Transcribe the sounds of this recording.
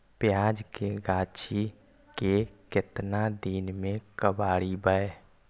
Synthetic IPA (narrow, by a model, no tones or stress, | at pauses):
pjaːd͡ʒkeɡaːt͡ʃʰi | kekɪt̪nad̪iːnmẽkəbaːɽibəe